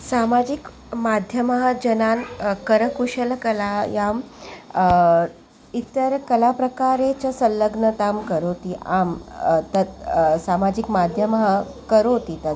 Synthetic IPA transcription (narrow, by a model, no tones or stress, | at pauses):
samad͡ʑik | mad̪ʱjəməɦəd͡ʑənankəɾəkuɕəlkəlajam | it̪əɾkəlapɾəkaɾet͡ɕəsəlːəɡnət̪amkəɾot̪iʔamt̪əsamad͡ʑikmad̪ʱjəməɦəkəɾot̪it̪ə